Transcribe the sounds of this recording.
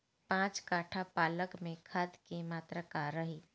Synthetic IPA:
pãːt͡ʃkaːʈʰapaːləkmẽkʰad̪kimaːt̪ɾəkaɾːəɦiː

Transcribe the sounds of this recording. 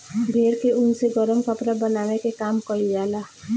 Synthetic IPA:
bʱeːɾkeʔʊnseɡɔɾəmkəpɾabənaːʋekekaːmkəɾid͡ʒaːlaː

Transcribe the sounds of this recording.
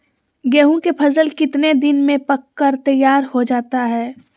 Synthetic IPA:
ɡɛːɦũkepʰɐzəlkɪt̪ned̪ɪnmẽpɐkːəɾt̪ɐjːaːɾhod͡ʒaːt̪aɦɛː

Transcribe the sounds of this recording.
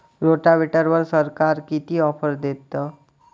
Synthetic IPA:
ɾoʈaʋeʈəɾʋəɾsəɾkaɾkit̪iɔfʰəɾd̪et̪ːə

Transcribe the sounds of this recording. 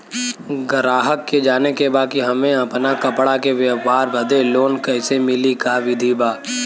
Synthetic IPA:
ɡəɾaːɦəkːed͡ʒaːnekebaːkiɦɐmẽɐpnakɐpɽakeʋjəʋaːɾbɐd̪ʱeloːnkɐɦɪsemɪlikaʋɪd̪ʱibaː

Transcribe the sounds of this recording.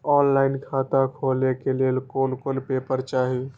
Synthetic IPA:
ɔːnlaːɪnkʰaːt̪akʰoːlekeleːlkoːlkolpeːpəɾt͡ʃaːɦi

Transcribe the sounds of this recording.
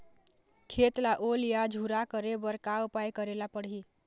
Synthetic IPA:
kʰet̪laʔolijad͡ʒʱuɾakəɾebəɾkawpajkəɾelapəɽɦi

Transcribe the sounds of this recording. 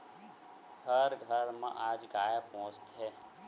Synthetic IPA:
həɾɡʱəɾmã̰ʔaːd͡ʒɡaːjapõːt͡ʃt̪ɦɛː

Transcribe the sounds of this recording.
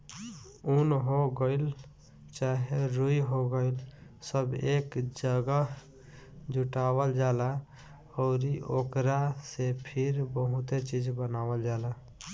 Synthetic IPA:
unɦoɡəɪl | t͡ʃaɦeɾujɦoɡəɪlsəbekd͡ʒəɡə | d͡ʒuʈabəld͡ʒala | ɔʊɾiʔokɾasepʰiɾbəɦut̪et͡ʃid͡ʒbənabəld͡ʒala

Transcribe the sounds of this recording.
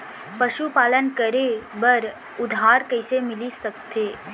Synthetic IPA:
pɐʃupaːlənkəɾebəɾ | ʊd̪ʱɦaːɾkɐɪsemɪlisɐk̚t̪eː

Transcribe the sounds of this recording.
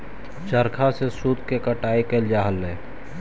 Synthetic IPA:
t͡ʃəɾkʰasesuːd̪ʱkekəʈaːekeld͡ʒaːɦəlːɛ̃ː

